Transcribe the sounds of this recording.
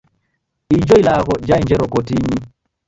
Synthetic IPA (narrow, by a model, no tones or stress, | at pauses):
ʔid͡ʒɔjlaːkɔd͡ʒajɲd͡ʒɛɾɔkotiːɲi